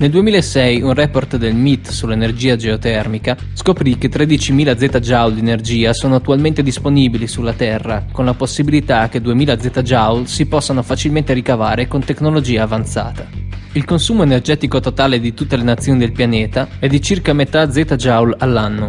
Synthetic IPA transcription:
neld̪uemiːlaesɛjunrɛport̪d̪elmit̪ːsulːenerd͡ʒiːad͡ʒeot̪ɛrmika | skopɾik̟et̪ːɾed̪it͡ʃimiːlad̪zːɛːt̪ad͡ʒawld̪ienerd͡ʒiːasoːnoat̪ːualment̪ed̪isponiːbilisulːat̪ɛrːakonlaposːibilit̪ak̟ːed̪uemiːlad̪zːɛːt̪ad͡ʒawlsipɔsːanofat͡ʃilment̪eɾikavaːɾekont̪eknolod͡ʒiːaːvant̪sa̰ːt̪ailkonsuːmoenerd͡ʒɛːt̪ikot̪ot̪aːled̪it̪ut̪ːelenat̪sːjoːnid̪elpjanɛːt̪aɛd̪ːit͡ʃirkamet̪ad̪zːɛt̪ad͡ʒawlalːanːo

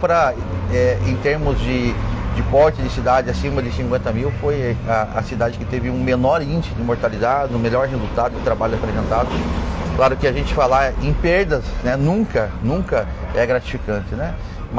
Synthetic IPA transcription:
pɾɐ | ɛẽj̃t̪eɾmʊzd͡ʒɪd͡ʒɪpɔɾt͡ʃɪd͡ʒɪsid̪ad͡ʒɪasĩmɐd͡ʒɪsĩŋkwẽnt̪ɐmiwfojaɐsid̪ad͡ʒɪkɪt̪evɪũmenɔɾĩnd͡ʒɪsʊd̪ɪmoɾt̪alizad͡ʒɪzʊ̃meʎɔɾɦezut̪ad̪ʊd̪ɪt̪ɾabaʎʊapɾezẽnt̪ad̪ʊklaɾʊkɪaʒẽnt͡ʃɪ̥falaẽj̃peɾd̪ɐznɛnũŋkɐnũkɐɛɡɾat͡ʃi̥fikɐ̃nt͡ʃɪnɛ | m

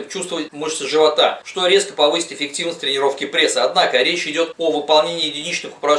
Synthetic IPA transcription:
t͡ɕust̪vəvətʲmoʐt̪əʐɨvɐt̪aʂt̪o̞ɾʲeskəpɐvɨsʲɪ̥t̪ʲɪfʲɪk̚tʲivnəsʲtʲt̪ɾʲɪnʲɪɾo̞fkʲɪpɾʲe̞sːɨɐd̪nakəɾʲet͡ɕɪdʲo̞t̪ovɨpɐlˠnʲenʲɪːjɪdʲɪnʲit͡ɕnɨxʊ̥pɾɐ

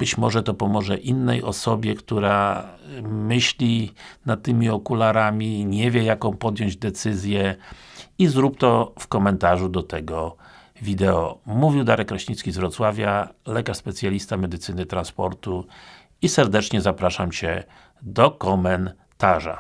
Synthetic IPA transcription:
b̥ɘt͡ɕmɔʐɛt̪ɔpɔmɔʐɛʔinːɛ̰jʔɔsɔbʲjɛkt̪uɾa | mɘɕlʲinat̪̚t̪ːɘmʲiɔkulaɾamʲiɲevʲjɛjakɔ̃w̃pɔd̪ʲjɔɲd͡ʑd̪ɛt̪sɘzʲjɛ | izɾupt̪ɔfkɔmɛnt̪aʐud̪ɔt̪ɛɡɔ | vʲid̪ɛɔmuvʲiwd̪aɾɛkɾɔɕɲit̪skʲizvɾɔt̪swavʲjalɛkaʂspɛt̪sʲjalʲist̪amɛd̪ɘt̪sɘnɘt̪ɾanspɔɾt̪u | isɛɾd̪ɛt͡ʂɲɛzapɾaʂamt͡ɕɛ̰ | d̪ɔkɔmɛn | t̪aʐa̰

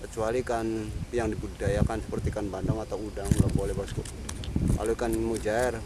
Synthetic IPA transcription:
kət͡ʃualikanpijaŋdibudajakansə̥pərt̪ikanbandaŋat̪awudaŋɡaʔbolɛhbasku | ʔa̰loikanmud͡ʒaɛr

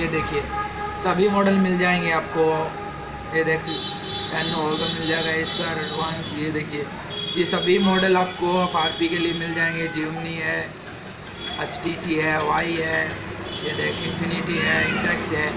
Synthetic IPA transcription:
jed̪eːkʰie | sɐbʱiɦoːɖəlmɪld͡ʒaːẽːŋɡeaːp̚ko | jed̪eːkʰɛːnɔːlkɐmɪld͡ʒaːeɡaeɪstaɾɐɖʋãːnsjed̪eːkʰie | jesɐbʱimɔːɖəlaːp̚koɐpaːɾpikeliemɪld͡ʒaːẽːŋɡed͡ʒiːmniɦɛː | et͡ʃʈiːsiɦɛːʋaːiɦɛːjed̪eːkʰɪ̃npʰɪnɪʈiɦɛɪ̃ɳʈɛːksɦɛː

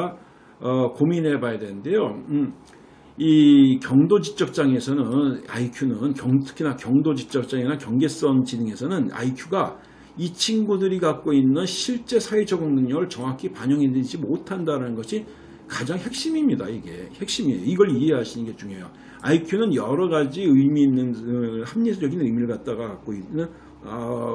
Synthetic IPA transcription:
ʌkomine̞bajadwe̞nɯnde̞jo | ikjʌŋdod͡ʑit͡ɕ͈ʌp̚t͡ɕ͈aŋe̞sʰʌnɯna̰ikʰjunɯnkjʌŋtʰɯ̥kʰinakjʌŋdod͡ʑit͡ɕ͈ʌp̚t͡ɕ͈aŋenakjʌŋɡe̞s͈ʌŋd͡ʑinɯŋe̞sʰʌnɯna̰ikʰuɡa | it͡ɕʰinɡudɯɾikak͈oinːɯnɕʰiɭt͡ɕ͈e̞sʰaid͡ʑʰʌɡɯŋnɯŋɲʌɡɯɭt͡ɕʌŋakʰipaɲʌŋɦedind͡ʑimotʰandaɾanɯnɡʌɕʰi | kad͡ʑaŋhe̞k̚ɕ͈imimɲida̰iɡe̞̰he̞k̚ɕ͈imiejoiɡʌɭiɦe̞ɦaɕʰinɯnɡe̞t͡ɕuŋe̞jo | aikʰjunɯnjʌɾʌɡad͡ʑiɯimiːnːɯnhamɲed͡ʑʌɡinɯjmiɾɭɡat̚t͈aɡakak͈oinːɯn | ʌ

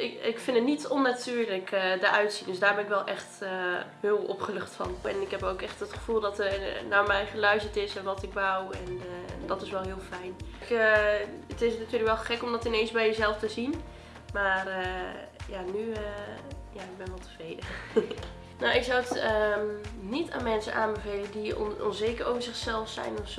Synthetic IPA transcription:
ɪɪkfɪndətnitɔnːatʰyːrləkədəʔœɥtsindøsdaːɹbɛnɪkʋɛlˠʔɛxtəhɪːlɔ̰pχəløχtfɔ̰nɛ̰nɪkɦɛpowkɛχtətχə̥fulˠdɔtənaːɹmɛjχəlœɥstətɪsɛnʋɔtɪkʋawɛnədɔtɪsʋɛlˠɦɪːlˠfɛjnkəətɪsnatyːləkʋɛlˠχɛkɔmdɔtɪnejnzbɛjəzɛlˠftəzin | maːrəjanyəjaɪɡ̚bɛnʋɛlˠtə̥frejdə | nowɪksawətə | nita̰ːnmɛnsə̰nʔaːnbəvejləndḭnɔ̰nzeːkəroːwvəɹzɪχsɛlˠfsɛ̰jnɔfs

